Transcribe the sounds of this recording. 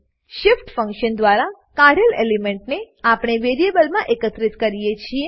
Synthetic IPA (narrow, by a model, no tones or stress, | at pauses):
ʃɪfʈfə̃ŋkʃənd̪ʋaɾa | kaɽelḛlemẽɳʈne | apɽ̃eʋeɾijebəlmãʔekət̪ɾitkəɾijet͡ʃʰie